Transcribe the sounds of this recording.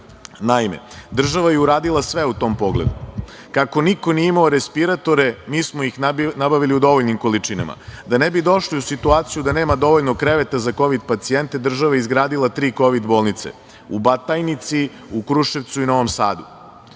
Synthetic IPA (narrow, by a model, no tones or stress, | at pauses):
naimḛd̪r̩ʒaʋajeuɾaːd̪ilˠasʋe̞ut̪o̞ːmpo̞ɡlḛd̪u | kako̞niko̞nijeimaoɾespiɾat̪o̞ɾemiːsmojixnnabaʋiliud̪o̞ʋoʎnimko̞lit͡ʂina̰ma̰d̪anebid̪o̞ʃliusit̪uaːt̪sijud̪ane̞ːmad̪o̞ʋoʎnokɾe̞ʋet̪azako̞ʋid̪pat̪sie̞nt̪ed̪r̩ʒaʋajeizɡɾaːd̪ilˠat̪ɾiːko̞ʋid̪boːlˠnit̪sḛ | ubat̪ajnit̪si | ukɾuʃe̞ʋt̪suino̞ʋomsa̰ːd̪u